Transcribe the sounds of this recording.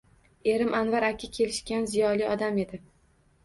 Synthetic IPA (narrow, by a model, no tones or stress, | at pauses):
e̞ɾɪmanvaɾakʲʰɪkʲʰe̞lɪʃkʲanzijɒlijɒd̪ame̞d̪ɪ